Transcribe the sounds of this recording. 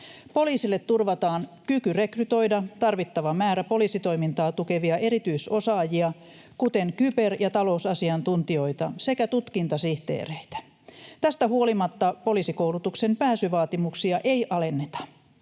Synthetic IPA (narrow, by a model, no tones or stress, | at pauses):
po̞liːsilːet̪turʋɑt̪ɑːnkykyre̞kryt̪o̞jdɑt̪ɑrʋit̪ːɑʋɑmæːɾæpo̞liːsit̪o̞imint̪ɑːt̪uke̞ʋiɑʔe̞ɾit̪yiso̞sɑːjiɑ | kut̪e̞ŋkyperjɑt̪ɑlo̞usɑsiɑnt̪unt̪io̞jt̪ɑ̰se̞kæt̪ut̪kint̪ɑsiht̪ḛːreit̪æ̥ | t̪æst̪æhuo̞limɑt̪ːɑpo̞liːsikowlut̪ukse̞mpæːsyʋɑːt̪imuksiɑʔe̞jʔɑle̞nːet̪ɑ̥